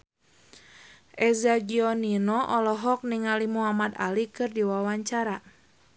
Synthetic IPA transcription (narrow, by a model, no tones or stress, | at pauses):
ʔɛzaɡiɔninɔʔɔlɔɦɔk̚niŋalimuɦamat̪a̰likɨrdiwawaɲt͡ʃaɾa